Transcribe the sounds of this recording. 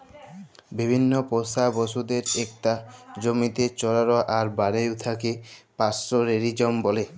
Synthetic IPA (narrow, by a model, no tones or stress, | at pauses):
bibʱinːoposabɔʃud̪eɾek̚tad͡ʑomit̪et͡ɕɔɾaɾoʔaɾbaɽewt̪ʰakepasɾoɾeɾid͡ʑɔmbɔle